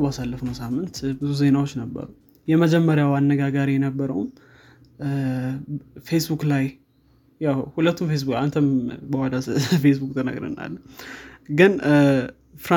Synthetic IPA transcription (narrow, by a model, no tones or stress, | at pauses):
basalːəfnəwsamːɨnt̪bɨzuze̞nawot͡ʃːnəbːə̰ɾ | jɛməd͡ʒɛmːəɾjawanːəɡaɡaɾijɛnəbːəɾə̰wm | fesbuklaj | jawhulət̪ːumfes̬bukant̪ʰəmbəhalafes̬bukt̪ʰənə̰ɡɾɨ̰nːa̰lː | ɡɨn | fɾa